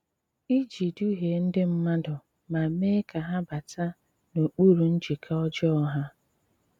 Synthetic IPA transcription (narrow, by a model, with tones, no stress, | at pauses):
i˦d͡ʒi˨du˦ɦe˨n̩˦dɪ˦m̩˦ma˦dʊ˨ | ma˨me˦ka˨ɦa˦ba˨tʰa˦ | no˨k͡pu˦ɾu˨n̩˦d͡ʒi˨kʰa˦ɔ˦d͡ʒɔ˦ɔ˦ɦa˦